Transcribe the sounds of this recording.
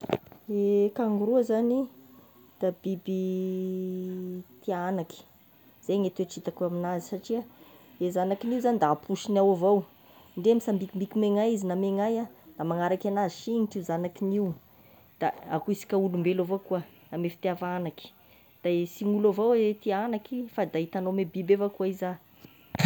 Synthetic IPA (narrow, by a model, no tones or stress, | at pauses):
ekaŋɡuɾuzani | d̪̥ab̥ibi | t̪ianaki̥ | z̥ejŋet̪eʈ͡ʂit̪akuaminazisaʈ͡ʂiaezanakiniuzanid̪aːpʰuʃinawavow | ɳɖ͡ʐeamisambikimbikimeŋajizinameŋajanamaŋaɾakʲanaziʃiŋiʈ͡ʂiuzanakiniw | d̪̥a̰akuisi̥kʲaulumbelavokua | amefi̥t̪afanaki̥ | d̪̥aesiŋulavowt̪ianakifad̪ait̪anomebibefakuaiza